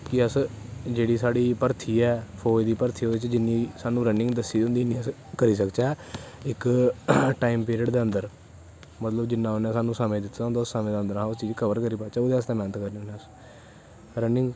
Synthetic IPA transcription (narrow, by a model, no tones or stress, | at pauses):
kɪəsd͡ʒeːɽiːsaːɽiːpəɾt̪ʰiːɛːpʰoːd̪iːpəɾt̪ʰiːoːd̪eːt͡ʃd͡ʒɪnːĩːsaːnũːɾənɪ̃ŋɡd̪əsːiːd̪ʊnd̪iːnĩːəs | kəɾiːsəkt͡ʃɛːɪk | ʈaːimpiːɾiəɖd̪eːənd̪əɾ | mət̪ləbd͡ʒɪnːãːonɛ̃ːsaːnũːsaːmẽːd̪ɪt̪ʰːãnd̪ʊsːaːmẽːd̪aːənd̪əɾãːʊst͡ʃiːd͡ʒkʰəʋəɾkəɾiːpaːt͡ʃaoːd̪eːəst̪ɛ̃ːmɛːnət̪kəɾnẽːoːnẽəs | ɾənɪ̃ŋɡ